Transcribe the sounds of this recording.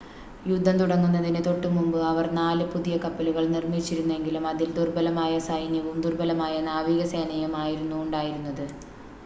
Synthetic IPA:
jud̪ʱːɐnt̪uɽɐŋːunːɐðinet̪o̞ʈːumumbɨɐʋɐrnaːlɨpuðijɐkɐpːɐluɣɐɭnirmit͡ɕːiɾunːue̞ŋɡilumɐðild̪urbɐlɐmaːjɐsɐjnjɐʋumd̪urbɐlɐmaːjɐnaːʋiːɣɐseːnɐjumaːjiɾunːuːɳɖaːjiɾunːɐðɨ

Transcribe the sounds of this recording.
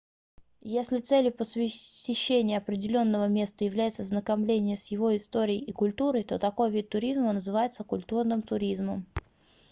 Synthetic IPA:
jesʲlʲɪt̪sɛlʲjʊpəsʲɪɪɕːenʲɪjəɐpɾʲɪdʲɪlʲo̞nːəvəmʲe̞st̪əjɪvlʲæjɪt̪səznəkɐmlʲenʲɪjəsjɪvo̞ɪst̪o̞ɾʲɪɪɪkʊlʲt̪uɾəjt̪o̞t̪ɐko̞jvʲit̪̚ːʊɾʲizmənəzɨvajɪt̪səkʊlʲt̪urnɨmt̪ʊɾʲizməm

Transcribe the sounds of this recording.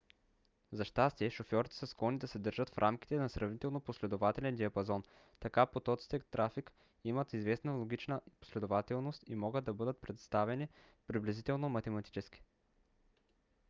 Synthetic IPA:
zɐʃt̪ast̪iɛʃofjɔɾit̪ɛ̥sɐsklˠɔnid̪ɐsɛd̪ɤɾʒət̪fɾʔamkit̪ɛnɐsɾɐvnit̪ɛlˠnoposlɛd̪ovat̪ɛlɛnd̪iɐpɐzɔn | t̪ɐkapot̪ɔt̪si̥t̪əkt̪ɾafik | imət̪izvɛsnəlˠoɡ̟ʲit͡ʃnəpo̥slɛd̪ovat̪ɛlˠnost̪imɔɡət̪d̪ɐbɤd̪ət̪̚pɾɛt̪st̪avɛni | pɾiblʲɛzit̪ɛlˠnomɐt̪ɛmɐt̪i̥t͡ʃɛski̥

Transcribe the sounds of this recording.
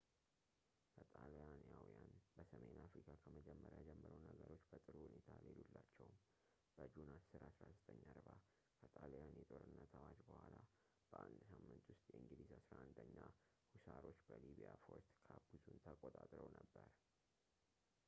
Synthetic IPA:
kʰət̪ʼaljanjawijanbəsəme̞nafɾikʰakʰəməd͡ʒɛmːəɾjad͡ʒɛmːəɾəwnəɡəɾo̞t͡ʃːb̥ət̪ʼɨɾuhunet̪ʰalelulːat͡ʃːɛwm | b̥əd͡ʒunassɨɾasɾazət̪ʼəɲːaɾba | kʰət̪ʼaljanjɛt̪ʼo̞ɾɨnːət̪ʰawad͡ʒbəhʷala | b̥əʔand̪samːɨnt̪wʊst̪ʼjɛʔɨŋɡɨd̪izasɾaʔand̪əɲːa | husaɾo̞t͡ʃːbəliβijafo̞ɾt̪kʰabuzunt̪ʰəkʼot̪ʼat̪ʼɾəwnəbːəɾ

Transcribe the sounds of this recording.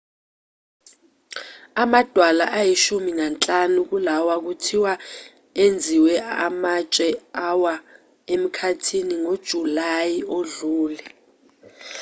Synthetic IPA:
amad̥ʱwala̰ʔajiʃuminant͡ɬʼanuk̬ulawak̬utʰiwa | end͡zʱiwɛamat͡ʃʼɛawa | em̩kʰatʰiniŋod̥ʒ̥ʱulajioɮuːlɛ

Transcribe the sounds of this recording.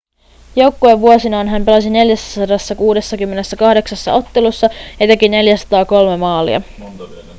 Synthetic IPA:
jo̞wkːoe̞ʋːuosinɑːnɦæmpe̞lɑsine̞ljæsːæsɑdɑsːɑkuːde̞sːɑkymːe̞ne̞sːækɑhde̞ksɑsːɑ̰o̞t̪ːe̞lusːɑjɑt̪e̞kine̞ljæsɑ̥t̪ɑːko̞lme̞mɑːlḭɑ̰

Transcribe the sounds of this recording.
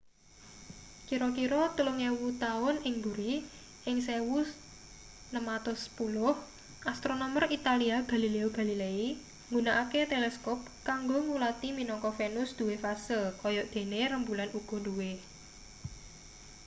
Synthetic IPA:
kiɾɔkiɾɔt̪uluŋewut̪aʊnɪŋbṳɾi | ʔɪŋsewu | nəmat̪ʊspulʊh | ʔast̪ɾonɔmərit̪aliaɡ̥a̤lileoɡ̥a̤lilei | ŋɡunaʔaket̪elɛskɔp̚kaŋɡoŋulat̪iminɔŋkɔfenʊsd̪̥ṳwefasəlkɔjɔʔd̪̥e̤neɾəmbulanuɡ̥ɔ̤d̪uwe

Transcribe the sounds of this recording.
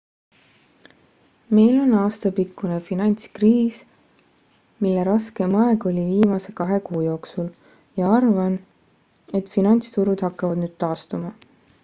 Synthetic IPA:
me̞jlo̞nɑːst̪ɑpikːune̞finɑnʲt̪skriːs | milːeɾɑske̞mɑe̞ɡ̥o̞lʲiviːmɑse̞kɑɦe̞kuːjo̞ːksul | jɑɑrvɑn | e̞t̪ˑfinɑnʲt̪st̪uɾud̪̥hɑkːɑvɑd̪nyːd̪̥t̪ɑːst̪umɑ

